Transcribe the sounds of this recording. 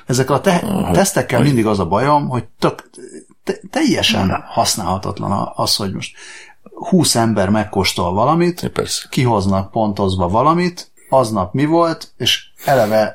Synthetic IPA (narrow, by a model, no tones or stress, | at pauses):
ɛzɛkːɛlɒt̪ɛt̪ɛst̪ɛkːɛlmind̪iɡɒzɒbɒjo̞mho̞ɟ̚t̪øk | t̪ɛt̪ɛjːɛʃɛ̰nhɒsna̰ːlhɒt̪ɒ̰t̪lɒ̰nɒ̰ɒsho̞ɟmo̞ʃt̪ | huːsɛmbɛrmɛkːo̞ʃt̪o̞lvɒlɒmit̪pɛ̰skiɦo̞znɒk̚po̞nt̪o̞zbɒvɒlɒmit̪ | ɒznɒpmivo̞lt̪eːʃɛlɛvɛ